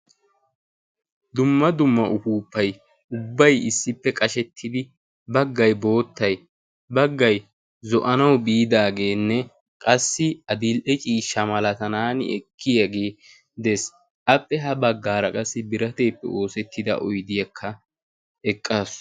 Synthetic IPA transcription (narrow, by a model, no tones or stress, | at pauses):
d̪ʊmːɐd̪ʊmːɐʔʊfuːpːɐj | ʊbːɐjɪsːɪpːɛkʼɐʃɛt̪ʰːɪd̪ɪ | bɐɡːɐjbo̞ːt̪ːɐj | bɐɡːɐj | zɔʔɐnɐwbiːd̪aːɡe̞ːnːɛ | kʼɐsːɪɐd̪ilʔɛt͡ʃʼiːʃːɐmɐlɐt̪ɐnaːnɪ̰ɛkʰːɪjɐɡeː | d̪ɛs | ʔɐpʼːɛɦɐbɐɡːaːɾɐkʼɐsːɪbɪɾɐt̪e̞ːpːɛ̰o̞ːsɛt̪ːɪd̪ɐ̰ʔɔjd̪ɪjɐkʰːɐ | ɛkʼːaːs